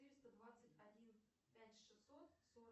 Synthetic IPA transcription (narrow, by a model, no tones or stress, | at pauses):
t̪ɨɾʲist̪əd̪vat̪sɨtʲadʲin | pʲætʲʂɨsot̪soɾ